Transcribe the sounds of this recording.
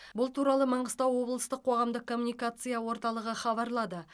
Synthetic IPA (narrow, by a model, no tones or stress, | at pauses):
bʊlˠt̪ʰuɾɑlˠəmɑɴəst̪ɑwːo̞blˠəst̪əqʰːo̞ʁɑmd̪əqkʰːo̞mːunijkat̪sɨjawo̞ɾt̪ɑlˠəʁəχɑβɑɾlˠɑd̪ə